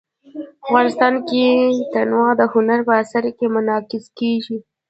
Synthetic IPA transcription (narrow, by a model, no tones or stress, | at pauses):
afɣɑnɪst̪ɑnket̪anwɑd̪əhʊnaɾpəasaɾkemʊnɑkɪskeʒi